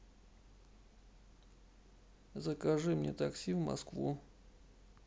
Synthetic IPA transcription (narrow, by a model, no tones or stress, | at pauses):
zəkɐʐɨmnʲet̪ɐksʲivmɐ̰skvu